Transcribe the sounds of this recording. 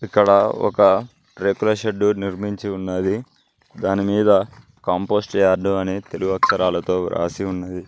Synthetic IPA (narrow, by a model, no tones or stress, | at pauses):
ikːɐɽɐɔ̰kɐ | ɾeːkulɐʃɐɖːuniɾmiɲt͡ʃiunːaːd̪i | d̪aːnimiːd̪ɐ | kaːmpo̞ːsʈɛjaːɾnuɐneːt̪e̞luɡuɐkʃɐɾaːlɐt̪o̞ːɾʔa̰ːsiunːɐd̪i